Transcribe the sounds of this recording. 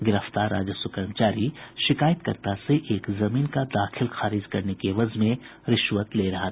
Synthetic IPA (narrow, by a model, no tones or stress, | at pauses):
ɡɪɾəft̪aːɾːaːd͡ʒəsʊkəɾəmt͡ʃaːɾiʃɪkaːjət̪kɐ̰ɾt̪aseʔeːkzɐmiːnkad̪aːxɪlxaːɾɪd͡ʒkɐɾnekeʋɐzmẽɾɪʃwət̪leɾɐɦa